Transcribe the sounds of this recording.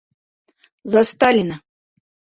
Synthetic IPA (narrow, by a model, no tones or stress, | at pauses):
zast̪alʲina